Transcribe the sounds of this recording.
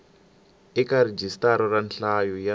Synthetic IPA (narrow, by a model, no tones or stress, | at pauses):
ikared͡ʒistaɾɔranɬajɔja